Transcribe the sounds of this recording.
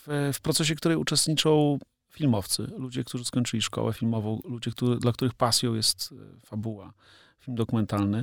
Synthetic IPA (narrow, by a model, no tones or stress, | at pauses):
ffpɾɔt̪sɛɕ̬ɛkt̪uɾɛjut͡ʂɛst̪ɲit͡ʂɔ̃w̃ | fʲilmɔft̪sɘ̰lud͡ʑɛkt̪uʐɘskɔɲt͡ʂɘlʲiʂkɔ̰wɛfʲilmɔvɔ̃w̃lud͡ʑɛkt̪uɘd̪lakt̪uɾɘxpasʲjɔ̃w̃jɛst̪fabuwa | filmd̪ɔkumɛnt̪alnɘ